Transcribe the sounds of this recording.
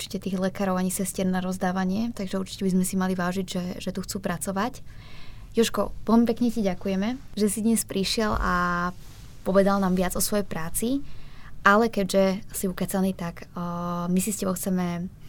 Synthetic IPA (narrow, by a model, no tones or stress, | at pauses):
uɾt͡ʃi̥cɛt̪iːɣlɛkaːɾɔʊaɲisɛscɛɾnaɾɔzd̪aːʋaɲɪɛt̪aɡʒɛuɾt͡ʃi̥cɛbizmɛsimaliʋaːʒiɟʒɛʒɛt̪uxt͡suːpɾat͡sɔʋac | jɔʃkɔ̰ʋɛlmipɛkɲɛciɟakujɛmɛʒɛsid̪ɲɛspɾʔiʃɪɛla̰ | pɔʋɛd̪alnaːmʋɪad͡zɔsʋɔjɛjpɾaːt͡siʔalɛkɛɟʒɛsiukɛt͡saniːt̪akː | misiscɛbɔʊxt͡sɛmɛ